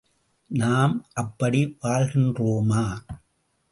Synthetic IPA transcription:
naːmʔɐpːɐɽiʋaːlɣɪndroːmaː

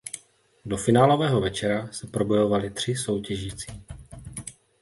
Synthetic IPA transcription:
do̞fɪnaːlo̞vɛːɦo̞vɛt͡ʃɛɾasɛpɾo̞bo̞jo̞valɪt̪r̝̥ɪso̞wcɛʒiːt͡siː

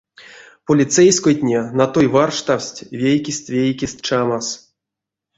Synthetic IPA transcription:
polʲit̪sejsʲkojt̪ʲnʲenat̪ojvarʂt̪awsʲtʲvʲejkʲisʲt̪ʲvʲejkʲisʲt̪̚t͡ʃamas

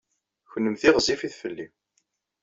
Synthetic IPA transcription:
çənːəmθiʁzifiθfəlːi

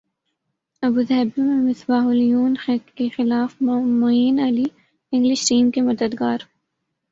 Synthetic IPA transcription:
ɐbuzɛbimẽmɪsbaːɦʊljuːnxkexɪlaːfmoiːnɐli | ɪ̃ŋɡlɪʃʈiːmkemɐd̪əd̪ɡaːɾ

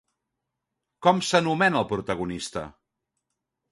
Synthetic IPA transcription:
kɔmsənumɛnəːlˠpɾut̪əɣunist̪ə̰

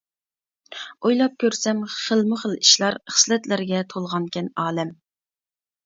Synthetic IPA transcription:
ojlˠɑp̚kʲøɾsɛmχəlˠmʊχəlˠiʃlˠɑɾχə̥slɛt̪læɾɡʲɛt̪ʰolˠʁɑnkʲʰɛnɑːlɛm

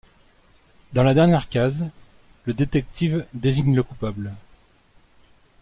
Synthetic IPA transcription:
d̪ɑ̃lad̪ɛʁnjɛʁkʲaz | ləd̪et̪ɛk̚t̪ʰivd̪eziɲləkupabl

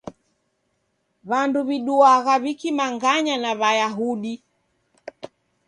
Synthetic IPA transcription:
βanduβiɗuaɣaβikimaŋɡaɲanaβajaɦuɗi

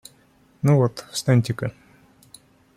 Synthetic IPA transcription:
nuvot̪fst̪anʲtʲɪka

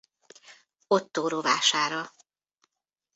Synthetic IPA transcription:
ot̪ːoːɾovaːʃaːɾɒ

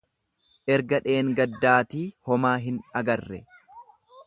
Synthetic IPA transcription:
ʔɛɾɡɐᶑe̞ːŋɡɐd̪ːaːt̪iːhɔmaːɦɪnɐɡɐrːɛ

